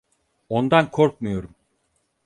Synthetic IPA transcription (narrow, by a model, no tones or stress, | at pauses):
o̞nd̪ankʰoɾk̚mɯjo̞ɾum